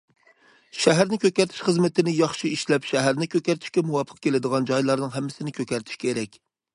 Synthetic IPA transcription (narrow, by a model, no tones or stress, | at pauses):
ʃɛɦæɾnɪkʲøkʲæɾt̪ʰɪ̥ʃχəzmɪt̪ʰɪnɪjɑχʃiiʃlɛpʃɛɦæɾnɪkʲʰøkʲæɾt̪ʰɪ̥ʃkʲɛmuwɑpʰə̥q̚kʲelɪd̪əʁɑnd͡ʒɑjlˠɑɾnɨŋɦɛmːɪsɪnɪkʲʰøkʲɛɾt̪ʰy̥ʃkʲʰeɾɛkʲ